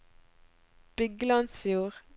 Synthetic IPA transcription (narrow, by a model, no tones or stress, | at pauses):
b̥ɪɡlɑnsfjuːʁ